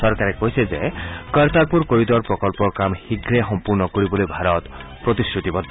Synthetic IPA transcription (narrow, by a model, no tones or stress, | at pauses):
ɔɾkaɾekoɦisezekɔɾt̪aɾpuɾkoɾid̪ɔɾpɾɔkɔlpɔkamhiɡɾeɦɔmpuɾnɔkoɾibolibʱaɾɔt̪ | pɾɔt̪isɾut̪ibɔd̪ʱː